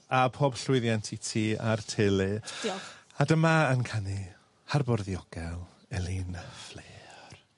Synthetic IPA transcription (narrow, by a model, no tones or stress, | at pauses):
apʰoːbɬwɪɨðjɛntʰitʰiːa̰rtʰelˠɨ | adəmaənkʰani | harbɔrðiɔɡ̥ɛlˠ | ɛlˠinfleːr